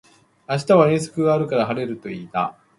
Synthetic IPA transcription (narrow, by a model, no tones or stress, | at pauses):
aɕi̥t̪aβ̞aẽ̞ɰ̃s̬o̥kɯ̟ɡaːɾɯ̟kaɾaɦaɾe̞ɾɯ̟t̪o̞iːt̪a̰